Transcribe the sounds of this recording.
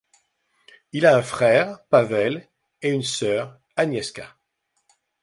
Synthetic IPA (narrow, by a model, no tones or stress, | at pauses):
ilaɛ̃fχɛːʁpavɛl | eynsœːʁ | anjɛskʲa̰